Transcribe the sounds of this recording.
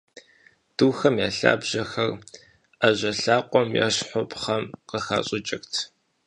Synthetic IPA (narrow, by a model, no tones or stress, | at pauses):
d̥uːxɐmjaːɬa̰ːbʑ̥ɐxɐr | ʔaʑɐɬaːqʷʼɔmja̰ɕħʷɔpʰχɐmqəxaːɕʼɪt͡ʃʼɪxtʰ